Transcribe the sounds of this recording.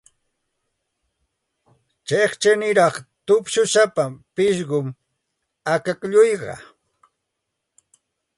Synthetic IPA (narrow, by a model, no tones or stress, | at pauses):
t͡ʃeχt͡ʃanɪɾɑχt̪ʊpʃʊsapapɪʃɢʊm | akakʎʊjɢɑ̰